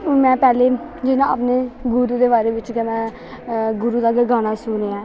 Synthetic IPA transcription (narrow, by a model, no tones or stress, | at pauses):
mɛ̃ːpɛːleː | d͡ʒɪnãːəpneːɡʊɾuːd̪eːbaːɾeːʋɪt͡ʃkɛːmɛ̃ː | ɡʊɾuːd̪aːɡɡaːnaːsʊːneːaː